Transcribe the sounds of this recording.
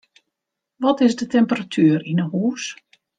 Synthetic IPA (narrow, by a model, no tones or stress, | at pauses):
ʋɔtɪzdətɛmpəratʰyːɾinəɦuːs